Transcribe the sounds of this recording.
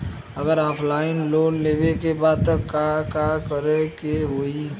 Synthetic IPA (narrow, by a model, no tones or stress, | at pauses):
əɡəɾɔːpʰlaːɪnloːnlewekebaːd̪̚t̪əkːakakəɾekeɦoi